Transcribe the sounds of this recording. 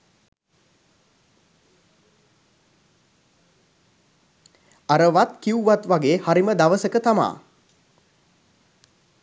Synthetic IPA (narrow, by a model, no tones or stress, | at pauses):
aɾəʋat̪kiwuʋat̪ʋaɡeːhaɾiməd̪aʋəsəkət̪ama̰ː